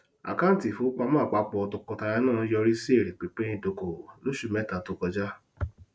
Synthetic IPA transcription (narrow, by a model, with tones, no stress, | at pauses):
a̰˨ka˦n̩˨ti˨fo˨˦k͡pa˧˦mãː˦˨k͡pa˨˦k͡pɔ˧to˧kɔ˧ta˧ɾɛ˧˦nãː˦˨˦jɔ˧ɾi˦si˦e˦˨ɾe˨k͡pe˨˦k͡pe˦ĩ˧˨do˧˨ko˨lo˦ʃu˧˨mɛ˦ta˨to˧kɔ˧d͡ʒa˦